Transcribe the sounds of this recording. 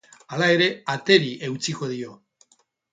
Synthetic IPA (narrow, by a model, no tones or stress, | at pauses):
alae̞ɾe̞at̪e̞ɾiʔe̞wt͡siko̞ðio̞